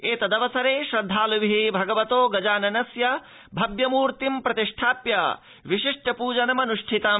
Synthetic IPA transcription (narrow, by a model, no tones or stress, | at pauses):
eːt̪ɐd̪ɐʋɐsɐɾeːʃɾɐd̪ʱːaːluʋiɦibʱɐɡɐʋɐt̪oːɡɐd͡ʒaːnɐnɐsjɐ | bʱɐbjɐmuːɾt̪impɾɐt̪iʂʈʰaːpjɐ | ʋiʃiʂʈʰɐpuːd͡ʒɐnɐmɐnuʂʈʰit̪ɐ